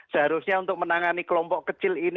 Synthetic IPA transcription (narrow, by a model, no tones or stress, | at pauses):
səɦaɾusɲaunt̪ʊk̚mənaŋanikəlɔmpɔʔkət͡ʃɪlin